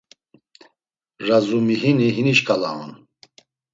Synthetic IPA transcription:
razumiɦiniɦiniʃkʰala̰ṵn

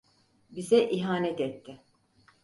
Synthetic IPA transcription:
bizɛʔiɦaːnɛt̪ɛt̪ʰːɪ

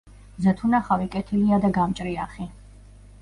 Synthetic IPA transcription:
zat̪ʰunaχavikʼɛt̪ʰiliad̪aɡamt͡ʃʼɾiaχi

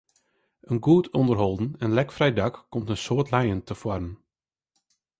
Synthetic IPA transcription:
ʔənɡuːtʰɔndərɦɔlˠdən̩ɛnlɛkfrɛjdɑkːɔmtənsoːtlɛjəntəfwarən

